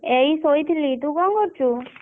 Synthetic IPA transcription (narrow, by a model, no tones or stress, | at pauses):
eisojt̪ʰilit̪ukɔŋɡɔɾt͡ʃʰu